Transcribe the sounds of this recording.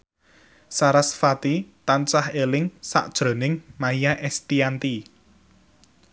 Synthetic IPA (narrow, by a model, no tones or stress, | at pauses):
saɾasfat̪it̪ant͡ʃahelɪŋsa̰ʔd̥ʒ̥ɾo̤nɪŋmaijaʔɛst̪iant̪i